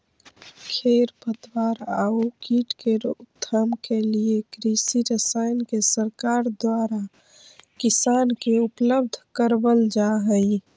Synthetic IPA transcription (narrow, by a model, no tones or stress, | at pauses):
kʰeɾpət̪waɾaukiːʈkeɾt̪ʰːəmkeliekɾisiɾəsaɪnkesəɾkaːɾd̪waːɾa | kɪsaːnkeʊpləb̚d̪ʱkəɾbəld͡ʒaɦəi